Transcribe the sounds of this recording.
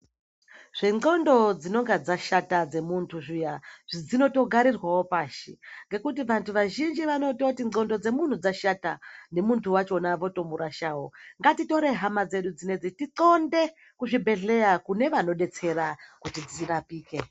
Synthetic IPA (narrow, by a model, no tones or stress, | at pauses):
ʐ̥eŋo̞ndo̞d͡zino̞ŋɡad͡zaʃatad͡ze̞muntʰuʐijaʐid͡zino̞to̞ɡʱaɾirwawo̞paːʃḭŋɡe̞kut̬iʋantʰuʋaʒind͡ʒiʋano̞to̞tio̞ndo̞d͡ze̞mun̤ud͡zaʃatane̞muntʰuwat͡ʃo̞naʋo̞to̞muɾaʃawo̞ŋɡatito̞ɾe̞ɦamad͡ze̞ɗud͡zine̞d͡zitiǃo̞nde̞ | kuʐibʱe̞ɮe̞jakune̞ʋano̞ɗe̞t͡se̞ɾakutid͡zirapiːke